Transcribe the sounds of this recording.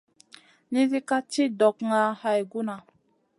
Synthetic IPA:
ni˦zi˦ka˦t͡ʃi˦dɔ˨kŋa˨ha˨jɡu˦na˨

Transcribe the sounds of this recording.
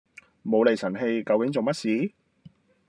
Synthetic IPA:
mo˨˧wle˨jsɐ˨˩nɦe˧jkɐ˨˧wkɪ˨˥ŋt͡so˨wmɐ˥t̚siː˨˥

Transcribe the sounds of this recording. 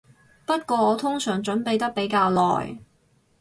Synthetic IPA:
pɐ˥t̚kʷɔː˧ɔː˨˧t̪ʰʊ˥ŋsœː˨˩ŋt͡ʃɵ˨˥npe˨jt̪ɐ˥k̚pe˨˥jkaː˧wlɔ̰ː˨˩j

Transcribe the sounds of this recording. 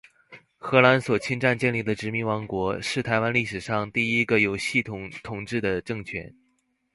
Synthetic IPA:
xɤ˧˥la˧˥nswɔ˨˩t͡ɕʰi˥nʈ͡ʂa˥˧nt͡ɕjɛ˥˧nli˥˩d̪ə˩ʈ͡ʂɻ̩˧˥mi˧˥ŋwɑ˧˥ŋkwɔ˧˥ʂɻ̩˥˩t̪ʰa˧˥ɪwa˥nli˥˩ʂɻ̩˨˩ʂɑ˥˧ŋt̪i˥˩i˥ɡə˧jo˨˩ʊɕi˥˩t̪ʰʊ˧˩ŋt̪ʰʊ˨˩ŋʈ͡ʂɻ̩˥˩d̪ə˩ʈ͡ʂɤ˥˩ŋt͡ɕʰɥɛ̰˧˥n

